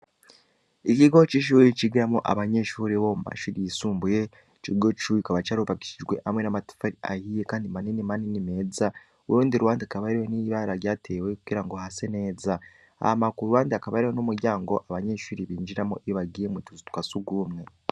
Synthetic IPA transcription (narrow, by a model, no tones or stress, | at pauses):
ikiɡo̞t͡ʃiːʃ̬uːɾit͡ʃiɡiɾamoʔa̰βaɲe̞ʃuːɾiβomuma̰ʃuɾijisuːmbuje̞ | t͡ʃiɡo̞t͡ʃuikaβat͡ʃaːɾuβaki̥ʃiʒɡwe̞hamwe̞namatu̥faɾia̰hijekaːndimaninimaninime̞ːza | uɾuːndiɾuwaːndiakaβaɾiweniβaɾaɾjaːtʰe̞ːwe̞kuɡiɾaŋɡo̞hase̞ne̞ːza | a̰hamakuuɾuwaːndiakaβaɾiwonumuɾjaːŋɡo̞ʔaβaɲe̞ʃuːɾiβiːɲd͡ʒiɾamoʔiiβaɡijemut͡ʃuzutkasuɡumŋe̞